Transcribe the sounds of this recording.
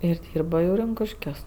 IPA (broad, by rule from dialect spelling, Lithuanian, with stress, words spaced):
ɪr ˈdʲiːrbɐ jɛʊ ˈrʲɪŋkʊʃʲkʲuɔs